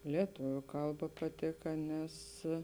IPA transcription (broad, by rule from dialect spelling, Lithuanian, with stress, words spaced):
lʲiɛˈtoːʋʲʊ ˈkɐlˠˌbɐ pɐˈtʲeːkɐ ˈnʲɛs